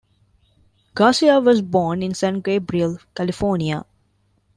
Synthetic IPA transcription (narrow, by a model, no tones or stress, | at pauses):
ɡ̥aːsiaʋɔzbɔːnɪ̃nsɛ̃ːnʈ̚ɡeːbɾiəlkælɪfɔːɾnia